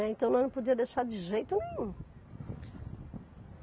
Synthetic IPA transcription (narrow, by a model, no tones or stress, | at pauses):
ɛẽnt̪ɐ̃w̃nɐ̃w̃ñpod͡ʒiɐd̪ejʃaɾd͡ʒɪʒejt̪ʊnẽɲũ